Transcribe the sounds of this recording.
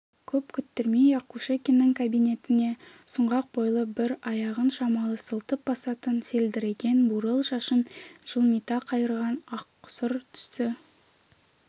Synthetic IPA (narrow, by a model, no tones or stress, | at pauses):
kʲʰɵpkʲʰʏt̪ːɪɾmijɑqkʰːuʃekʲenːɪŋkʰabijne̞t̪ɪne̞ | sʊɴʁɑq̚bo̞jlˠəbɪɾɑjɑʁənʃɑmɑlˠəsəlˠt̪əp̚bɑsɑt̪ənse̞ld̪ɪɾeɡʲe̞nbuɾəlˠʃɑʃənʒ̥əlˠmijt̪ɑqʰɑjəɾʁɑnɑqːsʊɾt̪ʰʏ̥st̪ɪ